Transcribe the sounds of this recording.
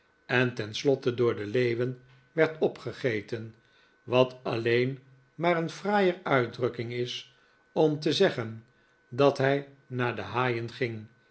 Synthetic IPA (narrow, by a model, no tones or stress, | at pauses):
ɛntɛnslɔtədʊːɹdəlejʋən | ʋɛɹtɔpχəχejtən | ʋɑtʰɑlejn | maːɾənfraːjərœɥdrɵkɪŋɪs | ɔmtəzɛχən | dɑtɦɛj | naːɹdəɦaːjənχɪŋ